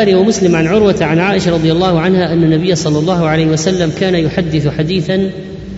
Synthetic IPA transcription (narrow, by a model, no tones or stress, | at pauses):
ɾiwamʊslɪmʕanʕʊɾwat̪ʕanʕaːʔɪʃaɾˤɑd̪ˤɨjalˤːɑːhʊʕanhaːʔanːanːabɪjːasˤɑlːɑlˤːɑːhʊʕalajhɪwasalːamkaːnajʊħad̪ːɪθħad̪iːθan